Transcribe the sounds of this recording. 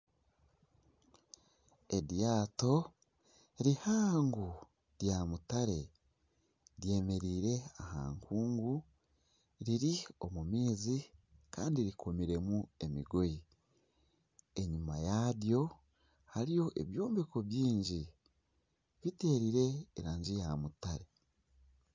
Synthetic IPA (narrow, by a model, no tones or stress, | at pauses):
e̞dijaːto̞ | ɾihaːŋɡu | ɾjamutaɾe̞ | ɾje̞ːme̞ɾiːɾe̞aha̰ːŋkuːŋɡu | ɾiɾio̞mumiːzikaːndiɾikʰo̞miɾe̞mue̞miɡoji | eɲumajadjo̞ | haɾijo̞ʔe̞̰βjo̞ːmbeko̞βjiːɲɟi | βite̞ːɾiɾe̞ːɾaːɲɟijamutaɾe̞